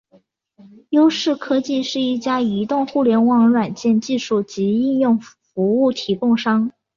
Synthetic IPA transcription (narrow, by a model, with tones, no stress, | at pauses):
jo˥ʊʂɻ̩˥˩kʰɤ˥t͡ɕi˥˧ʂɻ̩˥˧i˥˩t͡ɕja˥i˧˥t̪ʊ˥˧ŋxu˥˩ljɛ˧˥nwɑ˥˩ŋɻwa˨˩nt͡ɕjɛ˥˧nt͡ɕi˥˧ʂu˥˩t͡ɕi˧˥i˥˧njʊ˥˩ŋ | fu˧˥u˥˩t̪ʰi˧˥kʊ˥˩ŋʂɑ˥ŋ